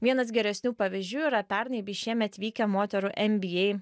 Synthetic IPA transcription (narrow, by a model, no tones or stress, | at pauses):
ʋʲiɛnɐs̬ɡʲɛɾʲɛsʲnʲuːpɐʋʲɪzʲd͡ʒʲuːɪɾɐpʲɛɾnɐɪbʲiːʃʲiɛmʲɛt̪ʲʋʲiːkʲɛmoːt̪ʲɛɾʊʔɛmʲbʲɪjɛɪ